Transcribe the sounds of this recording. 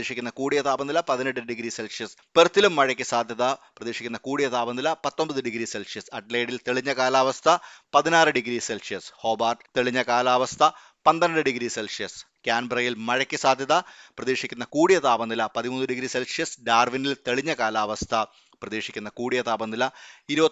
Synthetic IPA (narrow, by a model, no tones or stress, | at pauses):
eːʂikʲːunːɐkuːɽijɐt̪aːbɐnd̪ilɐpɐðineʈːɨɖiɡɾiselsijɐspert̪ːilumːɐɻɐkʲːɨsaːd̪ʱjɐðɐprɐðeːʂikʲːunːɐkuːɽijɐt̪aːbɐnd̪ilɐpɐt̪ːombɐðɨɖiɡɾiselsijɐsɐʈleːɽilt̪eɭiɲːɐkaːlaːʋɐst̪ʰɐpɐðinaːrɨɖiɡɾiselsijɐsho̞ːbaːrɖt̪eɭiɲːɐkaːlaːʋɐst̪ʰɐ | pɐnd̪ɐnɐɖɨɖiɡɾiselsijɐs | kʲaːnbɐrɐjilmɐɻɐkʲːɨsaːd̪ʱjɐðɐprɐðeːʂikʲːunːɐkuːɽijɐt̪aːbɐnd̪ilɐpɐðimunːɨɖiɡɾiselsijɐsɖaːrʋinilt̪eɭiɲːɐkaːlaːʋɐst̪ʰɐ | prɐðeːʂikʲːunːɐkuːɽijɐt̪aːbɐnd̪ilɐiɾubɐ